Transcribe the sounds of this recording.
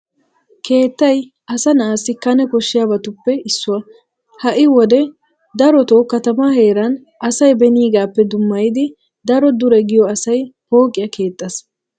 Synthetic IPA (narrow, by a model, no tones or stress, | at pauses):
kʰe̞ːt̪ːɐj | ʔɐsɐnaːsːɪkɐnɛkɔʃːɪjabɐt̪ʊpːɛɪsːʊwɐ | hɐʔɪwɔd̪ɛ | d̪ɐɾɔt̪ɔkɐt̪ɐmaːhe̞ːɾɐn | ɐsɐjbɛniːɡaːpːɛd̪ʊmːɐjɪd̪ɪ | d̪ɐɾɔd̪ʊɾɛɡɪjɔɐsɐjpo̞ːkʼɪjɐkʰe̞ːt̪ʼːɐs